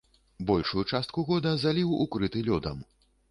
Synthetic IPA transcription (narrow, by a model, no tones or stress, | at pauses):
bɔlʲʂujut͡ʂast̪̚kuɣɔd̪ɐzalʲiwukɾɨt̪ɨlʲɔd̪ɐm